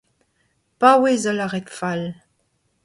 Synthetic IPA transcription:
pawezɔlaʁɛt̪fal

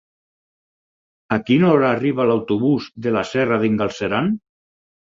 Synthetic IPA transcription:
akinɔɾaːriβ̞alawt̪uβuzðelasɛraðiŋɡalˠseɾan

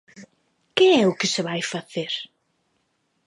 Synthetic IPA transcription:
kɪɛʊkɪsɪβajfaθeɾ

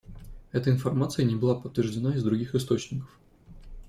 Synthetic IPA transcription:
ɛt̪əɪnfɐrmat̪sɨjənʲɪbɨlˠapət̪ːvʲɪrʐdʲɪnaɪzd̪ɾʊɡʲixɪst̪o̞t͡ɕnʲɪkə̥f

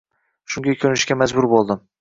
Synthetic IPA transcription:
ʃʊŋɡʲakʲʰɵɾnɪʃɡʲamad͡ʒbʊɾbolˠd̪ɪm

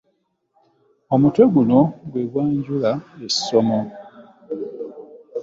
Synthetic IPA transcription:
o̞mutwe̞ɡuno̞ɡwe̞ɡwaːɲɟulaessːomo

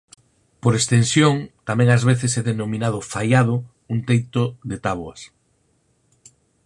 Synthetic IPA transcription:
poɾest̪ensjoŋt̪amɛ̃ŋazβeθesɛðenomĩnaðʊfajað̞ʊ | unt̪ejt̪ʊðet̪aβoɐs

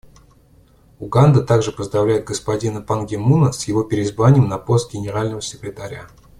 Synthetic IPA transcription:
ʊɡand̪ət̪aɡʐɨpəzd̪ɾɐvlʲæjɪd̪̚ɡəspɐdʲinəpɐnɡʲɪmunəsjɪvo̞pʲɪɾʲɪːzbvanʲɪjəmnɐpo̞st̪̚ɡʲɪnʲɪɾalʲnəvəsʲɪkɾʲɪt̪aɾʲa̰

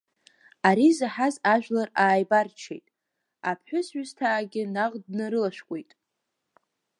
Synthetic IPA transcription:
aɾizaħazaʒᶣlaraːjbart͡ʃʰejtʼ | apʰħʷᶣʊsɥʷʊztʰaːɡʲɪnaʁdnaɾɨlaʃᶣʷkʷʼe̞jtʼ

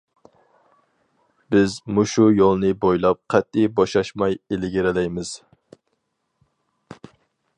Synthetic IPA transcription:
b̥ɪzmuʃujolˠnɨbojlˠɑp̚qʰɛt̪ːɪjbɑʃɑʃmɑjelɪɡʲɪɾɪlɛjmɪz̥

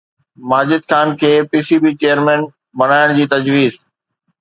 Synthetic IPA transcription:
maːd͡ʑɪd̪xaːnkʰeːpiːsiːbiːt͡ɕejəɾmɛ̃ːn | bɐɽ̃aːɪɽ̃d͡ʑiːt̪ɐd͡ʑʋiːz

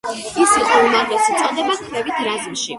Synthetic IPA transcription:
isiqʼɔumaɾɡɛsut̪ʼad̪ɛbakʰvɛvit̪ʰɾaziʃi

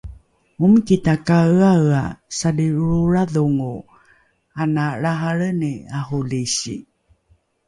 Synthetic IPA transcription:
umkitakaawa̰sadiuɾaðuŋu | anaɭaɦaɭəniaɦuliɕḭ

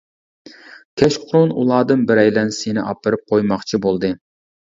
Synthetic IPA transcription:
kʲʰɛʃqʰʊɾunṵlˠɑːd̪ɨnbɪɾɛjlɛnsenɪʔɑpɨɾɨp̚qʰojmɑχt͡ʃʰibolˠd̪ɨ

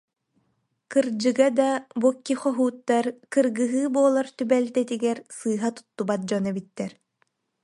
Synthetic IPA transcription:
kɯɾd͡ʑɯɡad̪abukːiχɔɦuːt̪ːaɾkɯɾɡɯɦɯːbuɔlˠaɾt̪ybɛlt̪ɛt̪iɡɛɾsɯːɦat̪u̥t̪ːubat̪̚d͡ʑɔnɛbit̪ːɛɾ

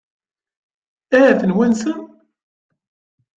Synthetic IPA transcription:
æɦæθənwænsən

